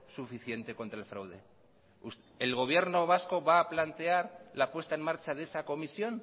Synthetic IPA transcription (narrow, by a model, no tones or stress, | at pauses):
sufiθje̞nt̪e̞ko̞nt̪ɾaelfɾawðe | us | elɣ̞o̞β̞je̞ɾno̞β̞asko̞βaːplant̪e̞aɾlapwe̞st̪aenmaɾt͡ʃaðe̞sako̞misjo̞n